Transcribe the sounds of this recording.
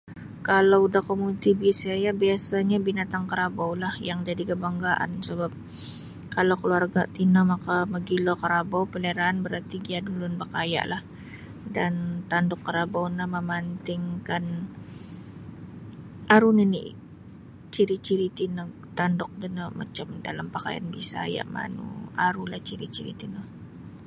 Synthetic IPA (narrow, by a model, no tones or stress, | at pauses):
kalawudahkomut̪ibisajabiasaɲabinat̪aŋkəɾabawlahjaŋd͡ʒadikəbaŋɡaʔa̰nsəbap̚ | kalowkəluarɡat̪inamakaməɡilokəɾabawpəleɾaːnbəɾart̪iɡiadulʊnbakaja̰ʔlah | dant̪andɔkːəɾabawnaməmant̪ɪŋkan | ʔaɾuninḭ | t͡ʃiɾit͡ʃiɾit̪inə | t̪andɔk̚dənəma̰t͡ʃəmda̰lampaka̰ja̰nbḭsa̰ja̰ʔma̰nṵaɾulaht͡ʃiɾḭt͡ʃiɾḭt̪inəh